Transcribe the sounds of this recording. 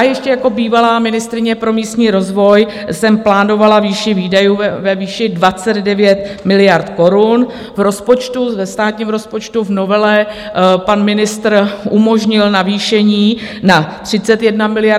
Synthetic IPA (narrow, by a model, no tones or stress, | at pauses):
ajɛʃcɛjako̞biːvalaːmɪnɪst̪ɾɪɲɛpɾo̞miːst̪ɲiːɾo̞zvo̞j | sɛmplaːno̞valaviːʃɪviːdajuːvɛviːʃɪdvat͡sɛddɛvjɛt̪mɪlɪjaɾt̪ko̞ɾun | vɾo̞spo̞t͡ʃt̪uvɛst̪aːt̪ɲiːmɾo̞spo̞t͡ʃt̪uvno̞vɛlɛ | panmɪnɪst̪r̩ʔumo̞ʒɲɪlnaviːʃɛɲiːnat̪r̝̥ɪt͡sɛt̪jɛdnamɪlɪja